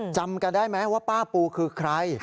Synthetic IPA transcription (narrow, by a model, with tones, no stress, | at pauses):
t͡ɕa˧mka˧ndaː˥˩jma˦˥waː˥˩paː˥˩puː˧kʰɯː˧kʰɾa˦˧j